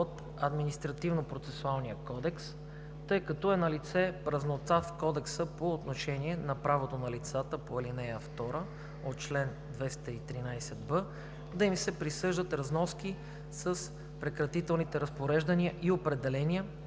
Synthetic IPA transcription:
ot̪ | ɐd̪minist̪ɾɐt̪ivnopɾot̪sɛsualˠnijəkɔd̪ɛks | t̪ɤjkɐt̪ɔɛnɐlit̪sɛpɾɐznot̪afkɔd̪ɛksəpoːt̪noʃɛniɛnɐpɾavot̪onɐlit̪sat̪əpoɛlinɛjəft̪ɔɾə | ot̪̚t͡ʃlɛn | d̪vɛst̪əit̪ɾinajsɛd̪bɤ | d̪ɐimsɛpɾisɤʒd̪ət̪ɾɐznɔski | səs | pɾɛkɾɐt̪it̪ɛlˠnit̪ɛɾɐspoɾɛʒd̪əniəʔiopɾɛd̪ɛlɛnʲiə

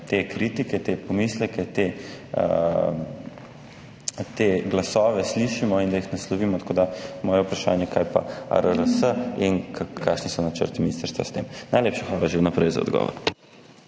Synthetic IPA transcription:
t̪ekɾit̪ikɛt̪epɔmiːslɛkɛt̪ḛ | t̪eɡlasɔːʋɛsliʃimɔind̪ajixnaslɔʋiːmɔt̪ḁkod̪amɔːjɛupɾaʃa̰ːnjɛkajpa̰a̰ɾəɾəsəinkakʰːaːʃnisɔnat͡ʃə̰ɾt̪iminist̪əɾst̪ʋa̰st̪emnajleːpʃaxʋaːlaʒewnapɾɛjza̰ɔ̰d̪ɡɔ̰ʋɔ̰ɾ

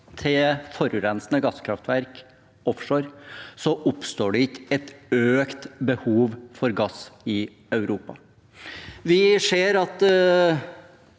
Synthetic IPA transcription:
t̪ʰɪfɔɾʉɾɛnsnəɡɑskʰɾɑft̪ʋæɾk | ɔfʂoːɾsɔʔʊpst̪oːɖɛɪtɛt̪øːkt̪bəhuːʋfɔɾɡɑsɪ | ɑʉɾuːpɑ | ʋɪseːɾɑt̪

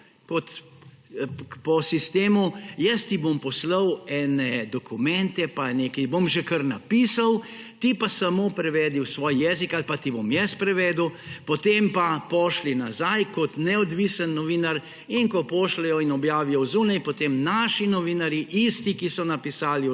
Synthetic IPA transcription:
kɔt̪ | pɔsist̪eːmujɛst̪ibompɔsləwɛːnɛd̪ɔkumɛnt̪ɛpaneːkɛjbomʒɛkəɾnapiːsaw | t̪ipasamoːpɾɛʋɛːd̪iwsʋɔːjjɛːzikalpat̪ibomjɛspɾɛʋɛːd̪əwpɔt̪empapɔːʃlinazajkɔt̪nɛɔd̪ʋiːsənːɔʋiːnaɾ | iŋkɔpɔːʃlɛjɔinɔbjaːʋijɔwzuːnajpɔt̪emnaːʃinɔʋiːnaɾjiʔist̪ikisɔnapisaːli

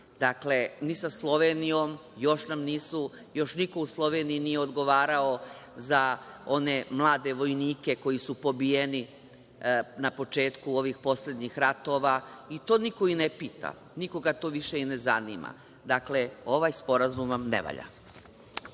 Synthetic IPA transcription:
d̪akle̞nisaslˠo̞ʋenijo̞m | jo̞ʃnamniːsu | jo̞ʃniko̞uslˠo̞ʋe̞niinijeo̞d̪ɡo̞ʋaːɾao̞ | zao̞ne̞mlˠaːd̪e̞ʋo̞jniːke̞ko̞jisupo̞bijeni | napo̞t͡ʃe̞ːt̪kuo̞ʋixpo̞sle̞d̪ɲixɾat̪o̞ʋait̪oːnikoinepiːt̪a̰ | niko̞ɡat̪o̞ːʋiʃeinezaniːma̰ | d̪akle̞o̞ʋajspo̞ɾazumamnḛʋa̰ʎa̰

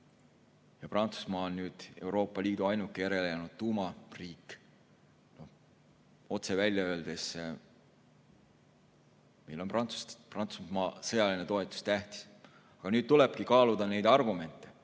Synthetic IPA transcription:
jɑprɑnt̪su̥smɑːonːyːd̪̥e̞̰uɾo̞ːpːˑɑliːd̪̥uɑjnukːˑijeɾe̞lejɑnud̪̥̚t̪ːuːmɑriːkːˑ | no̞h | o̞t̪se̞vælʲjɑø̞ːld̪̥e̞s | me̞jlo̞nprɑ̥prɑnt̪sumɑːsɤjɑlinet̪o̞e̞t̪ːˑu̥st̪æht̪i̥s | ɑɡ̥ɑnyːd̥̪̚t̪ule̞b̥̚kikɑːlud̪̥ɑne̞jd̪̥ɑrɡ̥ume̞nt̪ːˑe̞

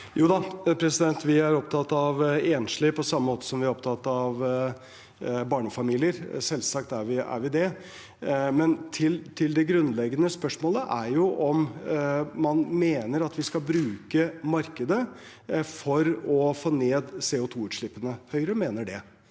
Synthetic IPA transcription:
juːd̪ɑpʰɾɛsɪd̪ɛnt̪ʋɪæɾɔp̚t̪ʰɑt̪ːɑʋeːnʂlɪpʰɔsɑmːəmoːt̪ə̥sɔmʋɪæɾɔpt̪ʰɑt̪ːɑʋ | bɑːɳəfɑmiːlɪəɾsɛlsɑk̚t̪æɾʋɪæ̰ɾʋɪd̪ɛ | mɛnt̪ʰɪlt̪ʰɪld̪ɛɡɾʉnlɛɡːənəspœʂmoːləʔæɾjʊʔɔm | mɑnmeːnəɾɑt̪ʋɪskɑlbɾʉːkəmɑɾkəd̪ə | fɔɾɔfoːneːd̪seːʊt̪ʰuːʉːt̪ʂɭɪpːənəhœʏɾəmeːnəɖɛ

